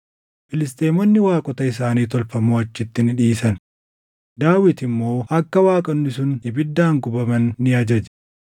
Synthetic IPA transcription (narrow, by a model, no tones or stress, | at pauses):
fɪlɪs̬t̪ʼe̞ːmɔnːɪwaːkʼɔt̪ɐɪs̬aːniːt̪ɔlfɐmoːɐt͡ʃːɪt̪ːɪnɪᶑiːsɐn | d̪aːwɪt̪ɪmːo̞ːʔɐkːɐwaːkʼɐnːɪsʊnɪbɪd̪ːaːŋɡʊbɐmɐnːɪɐd͡ʒɐd͡ʒ